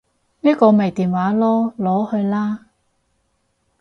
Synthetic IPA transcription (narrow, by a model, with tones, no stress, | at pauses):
niː˥kɔː˧me˨˩jt̪iː˨˩nwaː˨˥lɔː˥lɔː˨˥hɵ˧ɥlaː˥